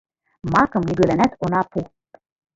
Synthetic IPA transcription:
mɑkɤ̆mnʲibølænæt̪ʰonɑpʰu

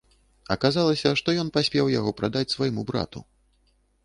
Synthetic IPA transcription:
ɐkazalˠɐsʲɐʂt̪ɔjɔnpasʲpʲɛwjaɣɔpɾad̪at͡sʲsvajmubɾa̰t̪ṵ

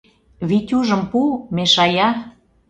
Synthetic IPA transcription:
βit̪ʲuʒə̆mpumeʃɑjɑ

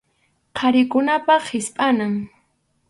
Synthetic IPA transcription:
kʰaɾɪkʊnapaχʰɪspʼanaŋ

